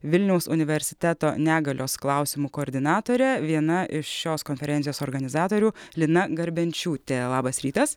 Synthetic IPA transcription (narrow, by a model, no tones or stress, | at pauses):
ʋʲɪlʲnʲɛʊsʊnʲɪʋʲɛɾʲsʲɪ̥t̪ʲæt̪oːnʲæːɡɐlʲʔoːsklˠɑʊsʲɪmuːkoːɾʲd̪ʲɪnɑːt̪oːɾʲɛʋʲiɛnɐʔɪʃʃʲoːskoːnʲfʲɛɾʲɛnʲɪjoːsoːɾɡɐnʲɪzɑːt̪oːɾʲuːlʲɪnɐɡɐɾʲbʲɛnʲt͡ʃʲuːt̪ʲelˠɑːbɐsɾʲiːt̪ɐs